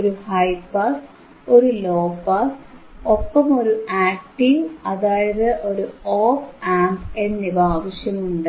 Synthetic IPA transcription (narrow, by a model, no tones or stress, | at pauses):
oɾuhɐjpːɐs | oɾuloːpːɐsopːɐmo̞ɾuʔaːk̚ʈːiʋɐðaːjɐðɨʔo̞ɾuoːfaːmbe̞nːibaːʋɐɕjɐmuɳɖɨ